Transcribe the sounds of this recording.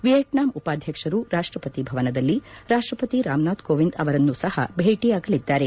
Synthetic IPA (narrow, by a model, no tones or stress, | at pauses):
ʋijɐʈnaːmupaːd̪ʱjɐkʂɐɾuɾaːʂʈɾɐpɐt̪ibʱɐʋɐnɐd̪ɐlːiɾaːʂʈɾɐpɐt̪iɾaːmnaːd̪koːʋind̪ɐʋɐɾɐnːusɐhɐ̰bʱeːʈijaːɡɐlid̪ːaːɾe̞